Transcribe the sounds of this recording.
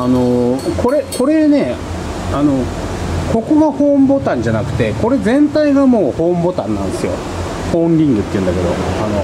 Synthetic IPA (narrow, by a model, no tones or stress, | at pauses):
ano̞ko̞ɾe̞ko̞ɾe̞ne̞ | ano̞ | ko̞ko̞ɡaho̞ːmbo̞t̪ãɲ̟d͡ʑanakɯ̟̥t̪e̞ko̞ɾe̞zẽ̞nt̪aiɡamo̞ːho̞ːmbo̞t̪ãnːã̰nd̪e̞sɨjo̞̰ | hõ̞ːɾʲĩŋɡɯ̟t̪ːeiɯ̟̃nd̪ake̞d̪o̞̰ano̞